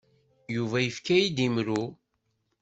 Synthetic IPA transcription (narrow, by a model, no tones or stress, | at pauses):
juvæjəfkæjid̪imɾu